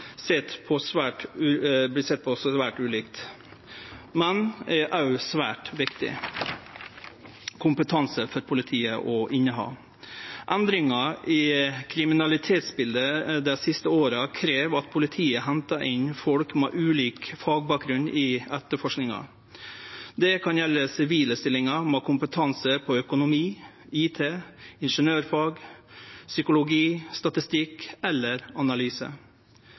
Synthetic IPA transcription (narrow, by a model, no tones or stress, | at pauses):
set̪pʰɔsʋæːʈːbɪsɛt̪̚ːpʰɔsʋæːʈʉːliːkt̪ | mɛnʔæʊsʋæ̰ːʈʋɪkt̪ɪ̰ | kʰʊmpət̪ʰɑnsəfɔɾpʰʊlɪt̪ʰiːəʔɔʔɪnːəɦɑ̰ː | ʔænd̪ɾɪŋɑɪkʰɾɪmɪnɑlɪt̪ʰeːt̪sbɪld̪əd̪ɛsɪst̪əoːɾɑkʰɾeːʋɑt̪pʰʊlɪt̪ʰiːəɦɛnt̪ɑʔɪnfɔlkmɛ̰ːʔʉːliːkfɑːɡ̚bɑːk̚ɡɾʉnɪːɛt̪əɾfɔʂknɪŋɑ̰ | d̪ɛkʰɑnjɛlːəsɪʋiːləst̪ɪlɪŋɑmoːkʰʊmpət̪ʰɑnsəɾpʰɔœkʊnʊmiː | iːt̪ʰeːɪnʂənøːɾfɑːɡ | sʏkʊlʊɡiːst̪ɑt̪ɪst̪ɪkɛlːəɾɑnɑlyːsə̰